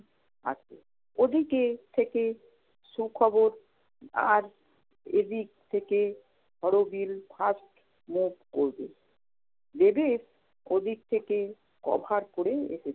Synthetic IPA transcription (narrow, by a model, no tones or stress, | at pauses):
a̰t͡ɕʰe | od̪ʱiket̪ʰeke | ʃukʰɔboɾ | a̰ɾ | ed̪ik̚t̪ʰeke | hɔɽobilfʰasʈ | mubkoɾbe | d̪ebes | od̪ʱik̚t̪ʰeke | kɔ̰bʱaɾkoɾeḛʃet͡ɕʰe